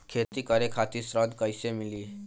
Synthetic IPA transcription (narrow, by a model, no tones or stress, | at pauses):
kʰet̪ikəɾekʰat̪isɾəd̪kəjsemiliː